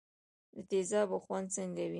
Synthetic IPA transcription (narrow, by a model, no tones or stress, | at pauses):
d̪ət̪ezɑbəxwand̪̚t͡səŋɡawi